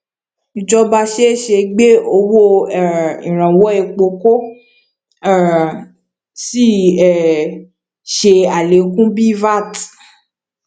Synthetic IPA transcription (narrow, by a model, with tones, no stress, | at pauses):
i˨d͡ʒɔ˧ba˧ʃe˦˨ʃe˧ɡ͡be˦o˧wo˦ɛ˦˨ĩ˨ɾ̃ã˨wɔ˨˦e˧k͡po˧ko˦˨ | si˦˨ɛ˦˨ | ʃe˧a˨le˨˦kũ˦bi˦va˦˨t